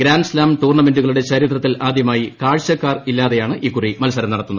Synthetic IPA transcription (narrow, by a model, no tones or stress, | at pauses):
ɡɾaːnɖɨslaːmt̪uːrɳɐme̞nduɣɐɭuɽe̞t͡ɕɐɾit̪rɐt̪ːilʔaːd̪ʱjɐmaːjikaːɻɕɐkːaːrilːaːðejaːɳɨʔiːkːurimɐlsɐɾɐmniɽɐt̪ːunɐð